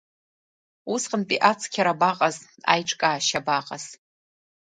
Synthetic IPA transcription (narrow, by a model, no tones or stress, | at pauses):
usqənpʼiʔat͡sʰkʲʰaɾabaqʼaza̰jʈ͡ʂʼkʼaːʃabaqʼaz̥